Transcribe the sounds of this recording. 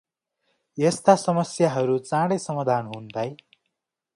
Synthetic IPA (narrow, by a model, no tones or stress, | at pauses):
jest̪asʌmʌsjaɦʌɾut͡sãɽʌjsʌmad̪ʱanɦunt̪aj